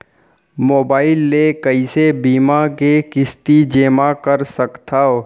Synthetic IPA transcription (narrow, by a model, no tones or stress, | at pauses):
moːbaːɪlːekəisebiːmakekɪst̪id͡ʒeːmakəɾsəkt̪ʰaːo